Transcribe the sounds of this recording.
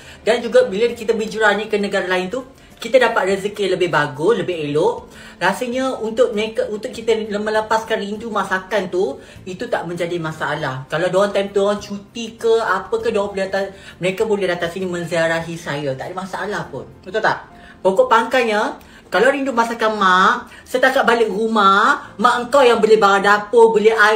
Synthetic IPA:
dand͡ʒuɡabiləkit̪əbəd͡ʒuɾanikənəɡaɾalaɪnt̪u | kit̪adapat̪̚rəzəkiələbɪɦbaɡʊsləbɪɦeloʔ | rasəɲaunt̪ʊʔ̚məekaunt̪ʊʔ̚kːit̪ələmə̃ləpaskanrindumãsakant̪u | it̪ut̪aʔmə̃ɲd͡ʒadimãsaːlahkaladoant̪ajmt̪doant͡ʃut̪ikəapəkadoanbolɛdat̪aməɾekabolɛhdat̪asinimə̃nziaɾaɦisajət̪aʔdəmasaʔalahpʊn | ut̪oʔt̪aʔ | pokoʔpaŋkaɲə | kalawɾindumasakanmã | sət̪akat̪̚balɪk̚rumamãʔəŋkawjaŋbəlɪhbaŋadapəbəlɪa

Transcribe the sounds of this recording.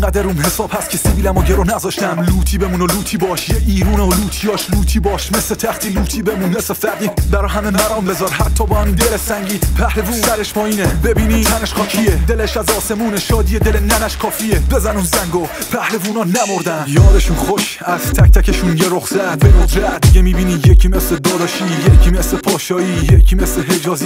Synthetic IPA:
ŋɡæd̪æɾuːmhe̞sɒːb̥hæst̪cʰeseviːlæmɔɟeɾonæzɒːʃt̪æmluːt̪ʰiːbemunoluːt̪ʰiːbɒːʃjeʔiːɾuːneoluːt̪ʰijɒːʃluːt̪ʰiːbɒːʃmeslet̪ʰæxt̪ʰiːluːt̪ʰiːbemunːesefæɾd̪iːbæɾɒːɦæmemæɾɒːmbe̞zɒːɾhæt̪ʰːɒːbɒːhæmind̪elesæŋɟiːd̪pʰæhle̞vuːsæɾeʃpʰɒːiːnebebiːniːt̪ʰæneʃχɒːcʰied̪eleʃæzɒːse̞muːneʃɒːd̪iːed̪elenænæʃkʰɒːfiebe̞zænunzæŋɡo | pʰæhle̞vunɒːnæmoɾd̪ænjɒːd̪eʃunχoʃ | æzt̪ʰæk̚t̪ʰæceʃunjeɾoχsæbemodɾeæd̪iɡemiːbiːniːjecʰiːme̞sled̪ɒːd̪ɒːʃiːjekʰiːmeslepʰɒːʃɒːiːjekʲʰiːmesleɦed͡ʒɒːziː

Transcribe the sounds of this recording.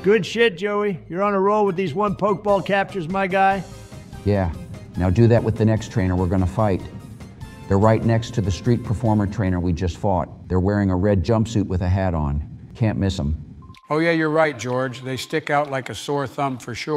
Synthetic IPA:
ɡ̥ʊd̥ʃɪt̚d̥ʒ̥oʊijə˞ə̃nəɹoʊlˠwəðizwʌ̃npʰoʊk̚b̥ɔlˠkʰæp̚t͡ʃə˞zmaɪɡaɪ | jæ | naʊdɨðɨʔ̚wʔəðɨnɛkstʰɹ̥ẽɪ̃nə˞wɪɹɡʌnəfaɪt̪̚ | ðə˞ɹaɪtⁿnɛkstʰɨðɨstɹ̥it̚pʰə˞fɔɹmə˞tʰɹ̥ẽɪ̃ñə˞wid͡ʒʌstfɔ̰t̪̚ðə˞wɛɹɪ̃ŋəɹɛd̚d͡ʒʌ̃mpsʉt̚wɨðɨɦæɾn̩kʰæ̃nmɪsə̃m | oʊjæjə˞ɹaɪt̚d̥ʒ̥ɔɹd͡ʒðeɪstɪkaʊtˡlaɪkɨsɔɹθʌ̃mfə˞ʃʊ

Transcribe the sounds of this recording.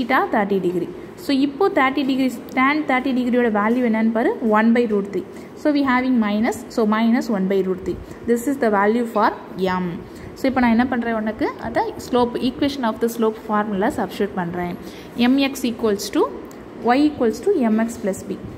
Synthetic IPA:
iʈaːt̪ʰɐɾʈiɖɪɡɾi | soːɪpːoːt̪ʰɐɾʈːiɖɪɡɾisʈãːɳɖ̚t̪ʰɐːɾʈiɖɪɡɾijoːɽɐʋaːljuɛnːɐnːpɐːɾɯ̃ʋɐnbɐɪɾuːɾt̪i | soːʋiːɦaːʋɪ̃ŋmɐɪnɐsːoːmɐɪnɐsʋɐnbɐɪɾuːɾt̪i | d̪ɪsɪsd̪ɐʋaːljufaːɾmɛm | soːɪpːoːnãːɛnːɐpɐɳɾẽːɔnːɐkːɯɐ̰d̪ɐsloːpiːkʋeʃɐ̃nɔːfd̪ɐsloːpfaːɾmlasɐbʃɐːʈ̚pɐɳːɾẽː | ɛmɛksiːkoːlsʈu | ʋɐɪiːkɔlsʈuɛmɛksplɐsbiː

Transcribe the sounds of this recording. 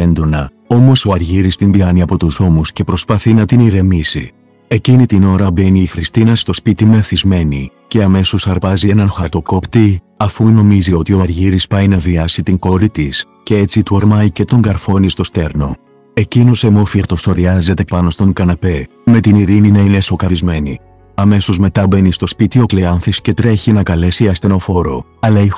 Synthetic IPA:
end̪onɐ | o̞mo̞so̞ɐɾʝiɾist̪imbiɐniɐpo̞t̪uzo̞musce̞pɾo̞spɐθinɐt̪iniɾe̞misḭ | e̞cinit̪ino̞ɾɐbe̞niːxɾist̪inɐst̪o̞spit̪ime̞θizme̞nice̞ɐme̞so̞sɐɾpɐzie̞nɐnxɐɾt̪o̞ko̞pt̪i | ɐfuno̞mizio̞t̪io̞ɐɾʝiɾispɐjnɐviɐsit̪iŋko̞ɾit̪is | ce̞et͡sit̪ueɾmɐjce̞t̪o̞ŋɡɐɾfo̞nist̪o̞st̪e̞ɾno̞ | e̞cinose̞mofiɾt̪o̞so̞ɾiɐze̞t̪e̞pɐno̞st̪o̞ŋkɐnɐpe̞ | me̞t̪iniɾininɐineso̞kɐɾizme̞ni | ɐme̞so̞zme̞t̪ɐbe̞nist̪o̞spit̪io̞kleɐnθisce̞t̪ɾe̞çinɐkɐle̞siɐst̪e̞no̞fo̞ɾo̞̰ɐlɐi

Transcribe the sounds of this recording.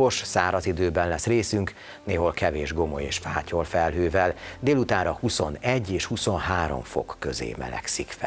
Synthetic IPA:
oʃsaːɾɒzid̪øːbɛnlɛsreːsyŋk | neːɦo̞lkɛveːʒɡo̞mo̰jḛːʃfaːcolfɛlɦøːvɛld̪eːlut̪aːɾɒhuso̞nɛɟːeːʃhuso̞nɦaːɾo̞̰ɱfo̞̰kːøzḛːmɛ̰lɛ̰ksikfɛ

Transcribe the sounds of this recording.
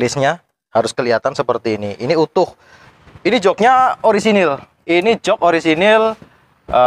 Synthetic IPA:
lɪsɲa | haɾʊskəliɦat̪ansəpərt̪iːniʔiniut̪ʊh | inid͡ʒɔk̚ɲaoɾisinɪl | inid͡ʒɔkoɾisinɪl | ə

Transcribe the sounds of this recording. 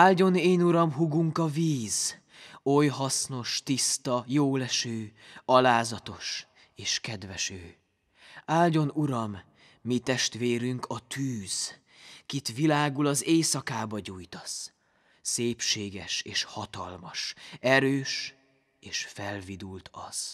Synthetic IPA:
aːlɟo̞neːnuɾɒmɦuɡuŋkɒviːz | o̞jɦɒsno̞ʃt̪ist̪ɒjoːlɛʃøːɒlaːzɒt̪o̞ʃ | eːʃkɛd̪vɛʃøː | aːlɟo̞nuɾɒmː | it̪ɛʃt̪ʋeːɾyŋkʰɒt̪ʰyːz̥ | kit̪ʋilaːɡulɒzeːsɒkaːbɒɟuːjt̪ɒ̥s | seːpʃeːɡɛʃeːʃhɒt̪ɒ̰lmɒʃɛɾøːʃ | eːʃfɛlvid̪ult̪ʰɒ̰z̥

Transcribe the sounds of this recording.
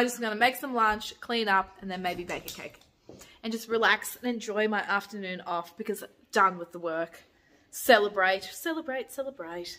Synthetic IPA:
aɪd͡ʒʌsɡ̥ʌnɨmeɪksə̃mlɑ̃nt͡ʃkʰl̥ĩnʌpɨ̃nðɨ̃nmeɪbibeɪkɨkʰeɪk | ɨ̃nd͡ʒʌst̚ɹilæksɨ̃nɨ̃nd͡ʒɔɪmaɪʔæftə˞nʉ̃nɔfb̥ɨkʰʌz | d̥ʌ̃nwəðəwɜ˞k | sɛlˠəbɹeɪt̚sɛlˠəbɹeɪtsɛlˠəbɹeɪt̚

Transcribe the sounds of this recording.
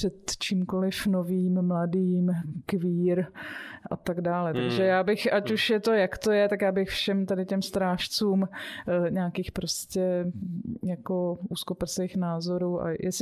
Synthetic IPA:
r̥ɛt̪t͡ʃimkolɪfno̞viːmmladiːmkviːɾʔa̰t̪aɡdaːlɛt̪aɡʒɛjaːbɪxʔacuʃjɛt̪o̞jakt̪o̞jɛt̪akjaːbɪxfʃɛmt̪adɪcɛmst̪ɾaːʃt͡suːmɲaːkiːxpɾoscɛ | jako̞ʔuːskopɪlsveːxnaːzo̞ɾuːʔa̰jʔɛsɪ

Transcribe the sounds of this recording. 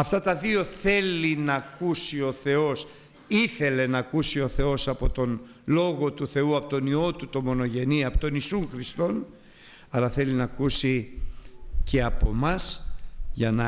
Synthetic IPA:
ɐft̪ɐt̪ɐðio̞θe̞linɐkusio̞θe̞o̞s | iθe̞le̞nɐːkusio̞θe̞o̞sɐpo̞t̪o̞n | lo̞ɣo̞t̪uθe̞uɐpo̞t̪o̞nio̞t̪ut̪o̞mo̞no̞ʝe̞niɐpot̪o̞nisuŋxɾist̪o̞n | ɐlɐθe̞linɐkusi | ce̞ɐpo̞̰mɐsʝɐnɐ

